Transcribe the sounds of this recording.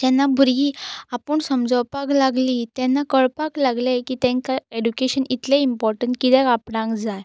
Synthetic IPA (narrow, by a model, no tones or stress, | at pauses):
d͡ʑɛnːabʱuɾɡiːapəɳsəmd͡zəwpaklaɡlit̪ɛnːakəɭpaklaɡlekiːt̪ɛ̃ŋkaeɖukeɕənit̪leimpɔɾʈəɳʈ̚kit̪ɛkapɽãŋkd͡zaj